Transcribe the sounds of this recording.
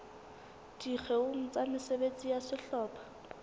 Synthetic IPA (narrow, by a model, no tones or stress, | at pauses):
dik͡xʰɛʊŋ̩t͡sʼamɪsebet͡sʼijasɪɬɔːpʰʼḁ